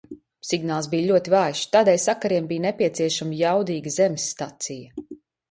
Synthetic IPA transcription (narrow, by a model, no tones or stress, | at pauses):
siɡnaːlˠs̬bijlʲuɔt̪ivaːjʃt̪aːd̪ɛːjsakaɾiɛmbiːjnepʲiɛt̪siɛʃamijawd̪iːɡəzemsːt̪at̪sijɐ